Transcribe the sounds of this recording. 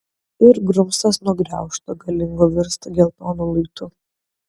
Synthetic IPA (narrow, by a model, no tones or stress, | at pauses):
ɪɾɡɾʊmst̪ɐsnʊɔɡɾʲæˑʊʃt̪oːɡɐlʲɪŋɡoʋʲɪɾst̪ɡʲɛlˠp̪ɔːnulˠɐɪt̪ʊ